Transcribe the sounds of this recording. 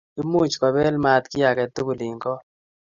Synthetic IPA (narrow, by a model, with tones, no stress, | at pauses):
i˦mu˦t͡ʃkɔ˨bɛ˦lma˨t̪kɪ˦ja˨kɛ˨t̪ːo˦ku˨lɪ˨ŋɡɔ˦